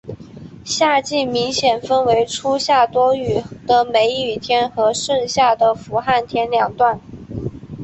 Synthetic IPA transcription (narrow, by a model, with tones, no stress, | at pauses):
ɕja˥˧t͡ɕi˥˩mi˧˥ŋɕjɛ˨˩nfə˥nwe˧˥ɪʈ͡ʂʰu˥ɕja˥˩t̪wɔ˥y˨˩d̪̥ə˧˩me˧˥ɪ˥y˨˩t̪ʰjɛ˥nxɤ˧˥ʂɤ˥˧ŋɕja˥˩d̪ə˩fu˧˥xa˥˩nt̪ʰjɛ˥nljɑ˨˩ŋt̪wa˥˩n